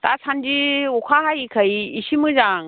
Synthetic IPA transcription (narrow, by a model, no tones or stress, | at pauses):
tasand͡ʒiɔkʰaɦajikʰajiːsimɯd͡ʒaŋ